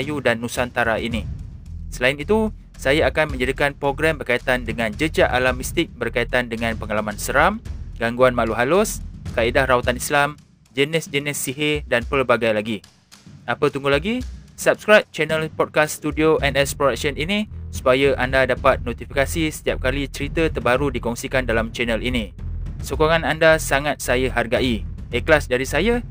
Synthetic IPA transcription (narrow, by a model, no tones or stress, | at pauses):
judanːusant̪aɾainĩsəlaɪnit̪u | sajaakanmə̃ɲd͡ʒaɾikanpɾoɡɾɛmbərkait̪andəŋãnd͡ʒəd͡ʒaʔalamist̪ɪk̚bərkait̪andəŋãnpəŋalamãnsəɾamɡaŋɡuanmaluɦalʊskaidahrawat̪anislam | d͡ʒənɪsd͡ʒənɪsːiɦedanpəlbaɡajlaɡi | ʔapət̪uŋɡulaɡisap̚skɾajp̚t͡ʃɛnə̃lpɔd̚kasːt̪udioʔɛnɛspɾodak̚səninĩsu̥pajəʔandadapat̪̚not̪ifikasisə̥t̪iap̚kalit͡ʃəɾit̪ət̪ərbaɾudikɔŋsikandalamt͡ʃɛnəlinĩsokoŋãnandasaŋat̪̚sajaɦarɡai | əkəlasdaɾisaja